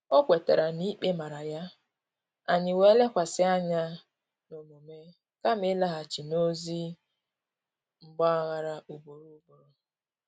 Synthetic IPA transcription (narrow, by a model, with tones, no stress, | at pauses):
o˦kʷe˨ta̰˨ɾa˨ni˦k͡pe˦ma˨ɾa˨ja˦ | a˨ɲɪ˨we˦le˦kʷa˨sɪ˦a˦ɲa˦ | no˨mo˨me˦ | ka˦m˦ɪ˦la˦ɦa˨t͡ʃi˨no˦zi˦ | ŋ͡m̩˨ɡ͡bɔ˦a˨ɣa˨ɾa˨u˨bo˨ɾu˦ɡ͡bo˨ɾo˨